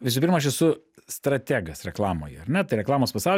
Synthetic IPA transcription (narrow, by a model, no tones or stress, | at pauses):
ʋʲɪs̬ʊpʲɪɾmɐɐʃ̬ɛsʊ | st̪ɾɐt̪ʲæːɡɐsɾʲɛklˠɑːmo̰ːjɛ̰ɐrnʲɛt̪ɐɪɾʲɛklˠɑːmoːspɐsɑʊ